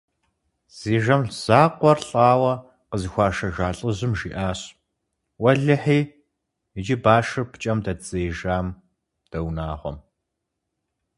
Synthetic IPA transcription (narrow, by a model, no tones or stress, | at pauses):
z̥iːʒɐmz̥aːqʷɔrɬʼɑːwɐ | qəzɨxʷɑːʃɐʒaːɬʼɨʑɨmʒḭːʔaːɕ | wɐɮɨħiː | ɪd͡ʒɪbaːʃɨrpʰt͡ʃʼɐmdɐt͡sʼeːʒaːm | d̥ɐwnaːʁʷɔ̰m